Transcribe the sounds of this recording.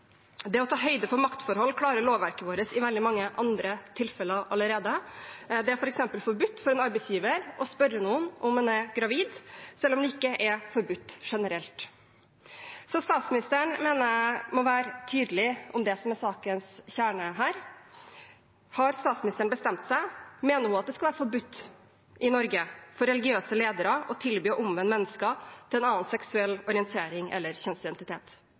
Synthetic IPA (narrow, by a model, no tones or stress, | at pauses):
d̪ɛɔt̪ʰɑːɦœʏd̪əpʰɔmɑkt̪fɔɾhɔlːkʰlɑːɾəɭoːʋʋæɾkəʋoːɾəsɪʋɛld̪ɪmɑŋːəʔɑnd̪ɾət̪ʰɪlfɛləʔɑlːəɾeːd̪əd̪ɛæɾfɔɾɛksɛmpəlfɔɾbʉt̪ːfɔɾɛnɑɾbɛɪsjiːʋəɾʔɔspœɾːənuːənʔɔmɛnæɡɾɑʋiːd̪sɛlːɔmd̪ɛɪkːəʔɛfɔɾbʉt̪ːʂɛnəɾɛlt̪ | sɔst̪ɑːt̪smɪnɪst̪əɳmeːnəmɔʋæːɾət̪ʰyːd̪lɪʔɔmd̪ɛsɔmɛsɑːkənsçæːɳəɦæːɾ | hɑɾst̪ɑːt̪smɪnɪst̪əɳ̩bəst̪ɛmt̪sæɪmeːnəɾhʉːɑt̪̚d̪ɛskɑʋæːɾəfɔɾbʉt̪ː | ʔɪnɔɾɡəfɔɾɛlɪɡɪøːsəleːd̪əɾəʔɔt̪ʰɪlbyːʔʊmʋənmɛnːəskət̪ʰɪlɛnɑːənsɛksʉɛlːɔɾɪɛnt̪ʰeːɾɪŋɛ̰lːəɾçœnsɪd̪ɛnt̪ɪt̪ʰeːt̪